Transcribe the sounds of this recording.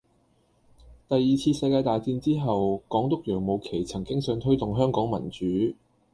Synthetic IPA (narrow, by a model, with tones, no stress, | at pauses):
t̪ɐ˨jːiː˨t͡sʰiː˧sɐ˧jkaː˧jt̪aː˨jt͡siː˧nt͡siː˥ɦɐ˨wkɔː˨˥ŋt̪ʊ˥k̚jœː˨˩ŋmo˨˧wkʰe˨˩jt͡sʰɐ˨˩ŋkɪ˥ŋsœː˨˧ŋt̪ʰɵ˥ɥt̪ʊ˨ŋɦœː˥ŋkɔː˨˥ŋmɐ̰˨˩nt͡syː˨˥